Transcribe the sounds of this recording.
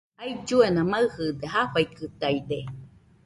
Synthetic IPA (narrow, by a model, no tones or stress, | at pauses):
ajd͡ʒuenamaɯhɯd̪eɦafajkɯt̪ajd̪e